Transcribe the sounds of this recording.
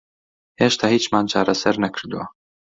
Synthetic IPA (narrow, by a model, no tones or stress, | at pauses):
heːʃt̪ʰaːhiːt͡ʃmɑːnt͡ʃʰɑːɾɛsɛɾnɛkʰɨɾd̪uwa